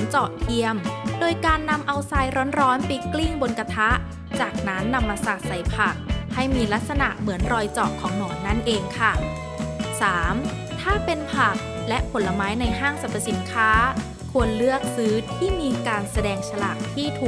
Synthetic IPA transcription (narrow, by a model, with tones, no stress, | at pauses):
nt͡ɕɔː˨˩ʔ̚t̪ʰi˧əmdoː˧jkaː˧nːa˧mʔa˧wsaː˧jɾɔː˦˥nɾɔː˦˥npi˧jkli˥˩ŋbo˧nka˧t̪ʰa˦˥ʔ | t͡ɕaː˨˩k̚na˦˥nːa˧mːaː˧saː˨˩t̪̚sa˨˩jpʰa˨˩k̚ha˥˩jmiː˧la˦˥k̪̚sa˧na˨˩ʔmɯ˩˦ənɾɔː˧jt͡ɕɔː˨˩kʰːɔː˩˦ŋnɔː˩˦nːa˥˩nʔeː˧ŋkʰa˥˩ | saː˩˦m | t̪ʰaː˥˩pe˧npʰa˨˩k̚ | lɛ˦˥ʔpʰo˩˦nlːa˧maː˦˥jna˧jɦaː˥˩ŋsa˨˩t̪ʰːa˧si˩˦nkʰaː˦˥ | kʰu˧ənlɯ˥˩ək̚sɯː˦˥t̪ʰiː˥˩miː˧kaː˧nsa˧dɛː˧ŋt͡ɕʰa˧la˨˩ʔ̚t̪ʰiː˥˩t̪ʰuː˨˩